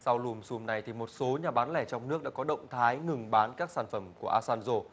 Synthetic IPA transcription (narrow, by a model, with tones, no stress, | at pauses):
sa˧wlu˨˧˩msu˧mna˨˩jt̪ʰi˨˩mo˨˩t̚so˨˦ɲaː˨˩ɓaː˨˦nlɛ˧˩t͡ɕɔ˧wŋ͡mnɨ˦˥ək̚ɗa̰ː˧˥kɔ˨˦ɗə̰˧˨wŋ͡mt̪ʰaː˨˦jŋɨ˨˩ŋɓaː˨˦nkaː˦˥k̚saː˧˩nfə˧˩mku˧˩əʔaː˧saː˧nzo˧